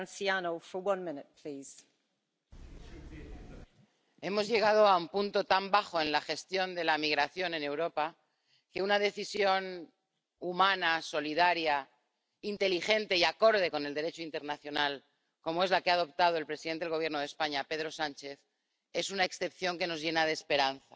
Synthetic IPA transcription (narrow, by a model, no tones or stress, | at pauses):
nsianoʊfə˞wʌ̃nmɪ̃nɪt̚pʰliːz̥ | e̞mo̞zʝe̞ɣ̞að̞o̞aumpunt̪o̞t̪ambaxo̞e̞nlaxe̞st̪jo̞nd̪e̞lamiɣ̞ɾaθjo̞nẽ̞ne̞wɾo̞pa | ke̞unað̞e̞θisjo̞n | umãnaso̞liðaɾja | int̪e̞lixe̞nt̪e̞iako̞ɾð̞e̞ko̞ne̞ld̪e̞ɾe̞t͡ʃoint̪e̞ɾnaθjo̞nal | ko̞mo̞e̞zlakeaðo̞p̚t̪að̞o̞e̞lpɾe̞siðenɣo̞βje̞ɾno̞ð̞e̞spaɲape̞ðɾo̞sant͡ʃe̞θ | e̞sunae̞ksθe̞pθjo̞ŋke̞no̞zʝe̞nað̞e̞ːspe̞ɾanθa̰